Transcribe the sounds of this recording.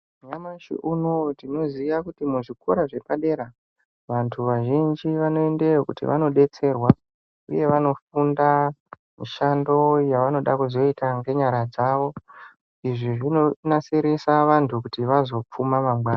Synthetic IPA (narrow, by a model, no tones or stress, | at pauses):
ɲamaʃḭʔunotino̞ziʋakutimuʐikʰo̞̰ɾaʐe̞paɗe̞ɾa | ʋantʰuʋaʒind͡ʒiʋano̞e̞nde̞okutḭʋa̰no̞ɗe̞t͡se̞rwa | ṵje̞ʋano̞funda | miʃando̞jaʋano̞ɗakuzo̞itaŋɡe̞ɲaɾad͡zaʋo̞ | iʐiʐinonaseɾesaʋantʰukutiʋazo̞p͡fumamamɡwaːna